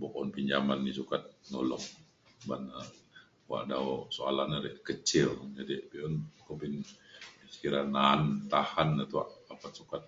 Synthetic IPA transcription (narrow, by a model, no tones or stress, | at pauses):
bɔkɔnpiɲd͡ʒamanːisukat̪̚nɔlɔ̰ŋ | bana | wa̰ʔdaosoa̰lanaɾḛʔkət͡ʃɪld͡ʒadibiɔnkəbin | sə̥kiɾanant̪ahanːat̪ua̰ʔapat̪̚sukat̪̚